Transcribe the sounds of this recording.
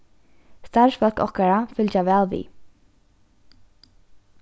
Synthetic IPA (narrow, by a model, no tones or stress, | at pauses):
st̪aɹsfœl̥kɔ̰hkaɹafʏlt͡ʃaʋɛːlʋḭː